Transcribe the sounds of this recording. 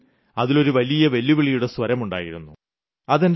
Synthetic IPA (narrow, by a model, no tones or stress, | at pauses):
ɐðilo̞ɾuʋɐlijɐʋe̞lːiʋiɭijuɽe̞swɐɾɐmuɳɖa̰ːjiɾunːu | ɐðend